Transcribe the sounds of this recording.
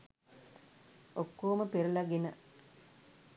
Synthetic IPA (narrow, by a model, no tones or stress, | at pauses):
okːoːməpeɾulaɡenə